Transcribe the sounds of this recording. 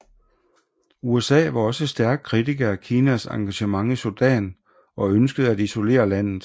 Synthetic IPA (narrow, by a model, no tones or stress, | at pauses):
uesɛ̰ːʋɑ̈ɒ̽səsd̥æɐɡ̥̚kʰʁit͡sʰiɡ̥ɐækʰiːnæsɑ̈ŋɡ̥æɕəmɑ̈ŋisod̥ɛ̰ːn | ɒ̽ønsɡ̥əð̞̩ˠæd̥iso̝le̝̰ːɐlæn̰ð̩ˠ